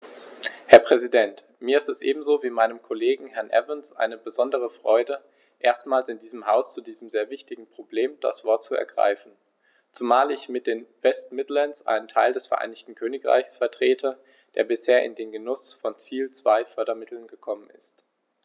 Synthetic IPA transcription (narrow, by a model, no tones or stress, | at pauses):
hɛɐpʁ̥ɛzidɛnt | miːɐɪstɛsʔeːbm̩zoːviːmaɪnəmkʰoleːɡŋ̩hɛɐnʔɛ̰vənsʔa̰ɪnəbəzɔndəʁ̞əfʁ̥ɔʏdə | ʔeːɐstmaːlsɪndiːzəmɦaʊst͡sudiːzəmzeːɐvɪçtɪɡŋ̩pʁ̥obleːmd̥a̰sv̥ɔɐt̚t͡suɛ̰ɐɡʁa̰ɪfn̩ | t͡sumaːlɪçmɪt̚d̥eːnvɛstmɪdlɛnsʔa̰ɪnəntʰa̰ɪldɛsfɛɐʔa̰ɪnɪçtn̩kʰøːnɪkʁ̥a̰ɪçsfɛɐtʁ̥eːtʰə | d̥ḛːɐbɪsheːɐʔɪ̰ndeːnɡənʊsfɔnt͡siːlt͡sv̥aɪfœɐɾɐmɪtl̩nɡəkʰɔmənɪ̰st